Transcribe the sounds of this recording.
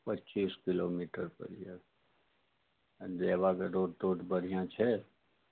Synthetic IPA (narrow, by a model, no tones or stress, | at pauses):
pətːt͡ʃiːskɪloːmiːʈəɾpə̰ɾija | d̪eːʋakeɾoːʈ̚t̪oːʈbəɾ̤ijãt͡ʃʰɛ